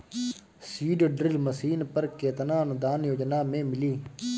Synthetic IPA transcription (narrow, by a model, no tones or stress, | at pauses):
siːɖɖɾɪlməsiːnpəɾkeːt̪naːənʊd̪aːnjoːd͡ʒnaːmẽːmɪliː